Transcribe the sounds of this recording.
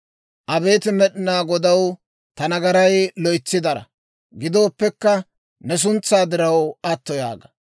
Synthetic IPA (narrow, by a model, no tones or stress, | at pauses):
ʔɐbe̞ːt̪ɪmɛɗɪnaːɡɔd̪ɐw | t̪ɐnɐɡɐɾɐjlɔjt͡sːɪd̪ɐɾɐ̰ | ɡɪd̪o̞ːpːɛkːɐ | nɛs̬ʊnt͡sːaːd̪ɪɾɐwɐt̪ːɔja̰ːɡɐ